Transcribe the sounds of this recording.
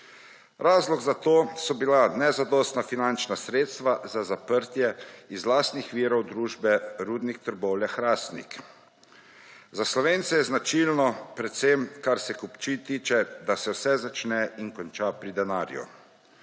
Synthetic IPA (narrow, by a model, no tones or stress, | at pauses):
ɾaːzlɔɡzat̪oːsɔbilanɛzad̪ɔst̪nafinant͡ʃnasɾeːt̪st̪ʋazazapəɾt̪jɛizlaːst̪nixʋiːɾɔwd̪ɾuːʒbɛɾuːd̪nixt̪əɾɡɔwljaxɾaːst̪nḭk | zaslɔʋeːnt̪sɛjɛznat͡ʃilnɔpɾɛt̪semkaɾsɛkupt͡ʃit̪iːt͡ʃɛd̪asɛwsɛzat͡ʃnɛiŋkɔnt͡ʃapɾid̪ɛnaːɾjṵ